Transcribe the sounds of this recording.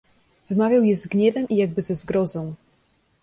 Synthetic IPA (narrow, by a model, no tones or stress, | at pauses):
vɘmavʲjawjɛzɡɲɛvɛmʔijaɡ̚bɘzɛzɡɾɔzɔ̃w̃